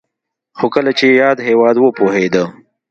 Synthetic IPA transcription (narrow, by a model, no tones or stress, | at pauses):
xokəlat͡ʃejɑːd̪ɦewɑd̪wəpoɦed̪ə